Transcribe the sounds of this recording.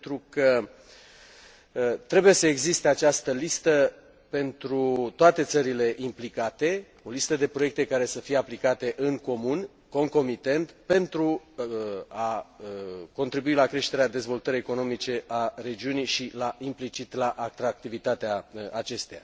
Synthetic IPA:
t̪ɾukə | t̪ɾe̞buje̞səe̞ɡzist̪e̞at͡ʃast̪əlist̪ə | pe̞nt̪ɾut̪oat̪e̞t̪səɾile̞ʔimplikat̪e̞ | o̞list̪əd̪e̞pɾo̞je̞k̚t̪e̞kaɾe̞səfijeaplikat̪e̞ʔɨŋko̞mun | ko̞ŋko̞mit̪e̞nt̪pe̞nt̪ɾu | aəko̞nt̪ɾibuilakɾe̞ʃt̪e̞ɾead̪e̞zvo̞lt̪əɾije̞ko̞no̞mit͡ʃe̞ʔare̞d͡ʒiunijʃilaʔimplit͡ʃit̪laʔakt̪ɾak̚t̪ivit̪at̪eaat͡ʃe̞st̪eja

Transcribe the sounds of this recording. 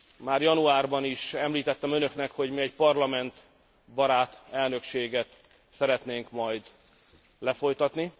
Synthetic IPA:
maːrjɒnuaːrbɒniʃɛmliːt̪ɛt̪ːɛmø̞nø̞knɛkho̞ɟmiɛcpɒrlɒmɛnt̪ | bɒɾaːt̪ɛlnø̞kʃeːɡɛt̪ | sɛɾɛt̪neːŋkmɒjd̪ | lɛfo̞jt̪ɒt̪ni

